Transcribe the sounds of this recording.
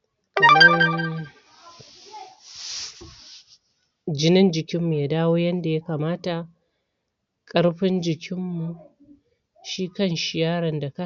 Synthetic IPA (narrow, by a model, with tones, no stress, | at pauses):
ka˨mɐ˦ | d͡ʒɪ˦nɪ˦nd͡ʒɪ˨kʲɪ˦mːu˨jaː˦daː˦woː˦jɐ˦nda˨ja˦kaː˨maː˦ta˨ | kʼɐ˦ɽɸɪ˦nd͡ʒɪ˨kʲʰɪ˦mːu˨ | ʃiː˦kɐ˦nʃɪ˨jaː˦ɾɐ˨nda˨ka˦